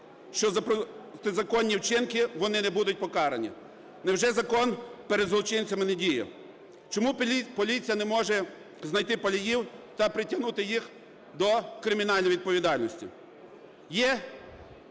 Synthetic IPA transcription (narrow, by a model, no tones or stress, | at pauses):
ʃt͡ʃɔzɐp̪zɐkɔnʲːiwt͡ʃɪnkɪʋɔnɪnɛbud̪ʊt̚ʲpɔkɑɾenʲḭ | nɛwʒɛzɐkɔnpeɾed̪zlˠɔt͡ʃɪnʲt͡sʲɐmɪnedʲijɛ̰ | t͡ʃɔmupɔlʲit͡sʲijɐnɛmɔʒɛ | znɐjt̪ɪpɐlʲijiwt̪ɐpɾɪtʲɐɦnut̪ɪjix | d̪ɔkɾɪmʲiɪnɑlʲnɔjʋʲid̪̚pɔʋʲid̪ɑlʲnɔsʲtʲḭ | jɛ